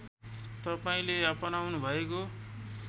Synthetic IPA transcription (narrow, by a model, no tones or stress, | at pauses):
t̪ʌpaĩleʌpʌnawnubʱʌeko